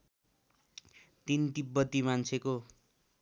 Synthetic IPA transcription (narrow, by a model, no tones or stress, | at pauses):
t̪ind̪ibːʌt̪imant͡sʰeko